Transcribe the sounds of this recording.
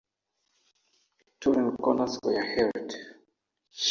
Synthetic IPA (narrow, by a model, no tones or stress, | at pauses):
tʰuɾɛ̃nkɔnaskɔjahɛlt | ʃ